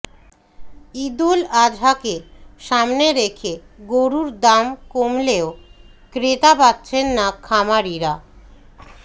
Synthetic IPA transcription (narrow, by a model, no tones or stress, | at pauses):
id̪ulad͡ʑʱakeʃamneɾekʰeɡoɾuɾd̪amkomleokɾet̪abatːɕʰenːakʰamaɾiɾa